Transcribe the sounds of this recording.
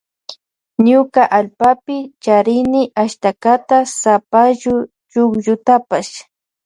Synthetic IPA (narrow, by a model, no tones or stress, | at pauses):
ɲʊkaʔalpapɪt͡ʃaɾɪnɪʔaʃt̪akat̪asapaʒʊ | t͡ʃʊkʒʊt̪apaʃ